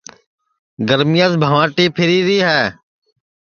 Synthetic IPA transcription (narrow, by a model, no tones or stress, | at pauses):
ɡəɾmijaːzbʱaːʋãːʈiːpʰɪɾiːɾiːɦɛː